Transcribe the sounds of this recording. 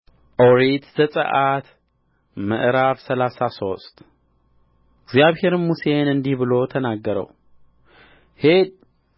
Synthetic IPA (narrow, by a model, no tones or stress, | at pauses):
ʔoɾit̪zəsʼə̰ʔat̪ | mə̰ʔɾaβsəlasaso̞st̪ʼ | ɪɡzjaβhe̞ɾmuse̞nɨnd̪ihbɨlo̞t̪ʰənaɡːəɾə̰w | hed̪̚